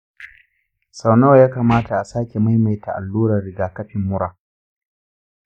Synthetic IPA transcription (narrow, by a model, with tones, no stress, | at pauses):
sa˨wnoː˦˨jaː˦kaː˨maː˦ta˨ʔa˨saː˦kʲe˨ma˦jma˨jtʰa˨ʔa̰˨lːuː˦ɾɐ˨rɽɪ˨ɡaː˨kɐ˦ɸɪ˨mːʊ˦ɾaː˨